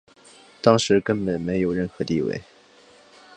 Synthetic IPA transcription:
t̪ɑ˥ŋʂɻ̩˧˥kə˥npə˨˩nme˧˥ɪjo˨˩ʊɻə˥˩nxɤ˧˥t̪i˥˧wḛ˥˩ɪ

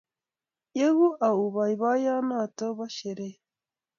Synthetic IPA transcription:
je˦ɣu˦ʔa˨u˨βa˨i˨βa˦ja˦na˦˨to˦βa˦ʃe˨ɾe˦

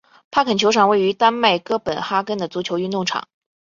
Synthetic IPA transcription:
pʰa˥kʰə˨˩nt͡ɕʰjo˧˥ʊʂʰɑ˨˩ŋwe˥˩ɪy˧˥t̪a˥nma˥˩ɪkɤ˥˩pə˨˩nxa˥kə˥nd̪ə˨t͡su˧˥t͡ɕʰjo˧˥ʊy˥˧t̪ʊ˥˩ŋʈ͡ʂʰɑ̰˨˩˦ŋ

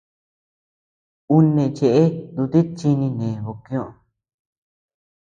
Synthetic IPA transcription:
u˦nẽ˨˧˨t͡ʃe˧ʔe˦d̪u˧t̪i˦t͡ʃi˧nĩ˧nẽ˨βo˧˨kj̃õ˦˧ʔ

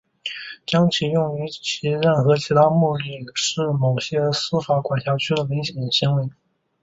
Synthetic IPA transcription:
t͡ɕjɑ˥ŋt͡ɕʰi˧˥˩jʊ˥˩ŋy˧˥t͡ɕʰi˧˥ɻə˥˩nxɤ˧˥t͡ɕʰi˧˥t̪ʰa˥mu˥˧li˥˩ʂɻ̩˥˩mo˨˩ʊɕjɛ˥sɹ̩˥fa˧˥kwa˨˩ɕjɑ˧˥ʊt͡ɕʰy˥d̪ə˨mi˧˥ŋɕjɛ˨˩nɕi˧˥ŋwe˧˥ɪ

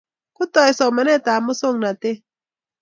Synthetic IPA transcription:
kʊ˦tɔ˨ɛ˨sɔ˨mɛ˨nɛ˦˨ta˨mʊ˦so˦˨ŋna˨te˦

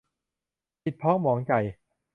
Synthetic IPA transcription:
pʰi˨˩t̪̚pʰɔː˦˥ŋmɔː˩˦ŋka˨˩j

